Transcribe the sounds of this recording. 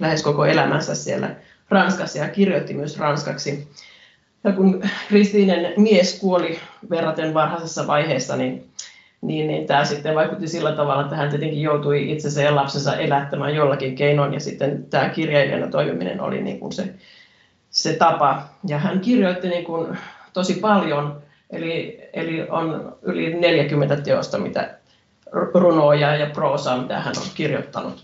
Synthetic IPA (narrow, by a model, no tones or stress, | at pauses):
læheskokoelæmænsæssiḛlːæ̰ | rɑnskɑsːɑjɑkirjot̪ːimyøsrɑnskɑksi | jɑkunkrist̪iːnenmieskuoliʋerːɑt̪enʋɑrhɑsesːɑʋɑiheːsːɑnin | niːnːḭnt̪æːsit̪ːeʋɑikut̪ːisilːæt̪ɑʋɑlːɑet̪ːæhænt̪iet̪eŋkijjout̪uiit̪sensæjɑlɑpsensɑ̰ʔelæt̪ːæmæ̰ːjolːɑkiŋkeinonjɑ̰sit̪ːent̪æːkirjɑjilḛnːæt̪oimḭmḭnḛno̰lḭnḭːŋkṵnsḛ | set̪ɑpɑjɑhænkirjoit̪ːiniːŋkunt̪osipɑljon | ʔeliḛlio̰nylineljækymːent̪æt̪eo̰st̪ɑmit̪æ̰ | runoːjɑjɑproːsɑːmit̪æ̰hæno̰lkirjo̰t̪ːɑnṵt̪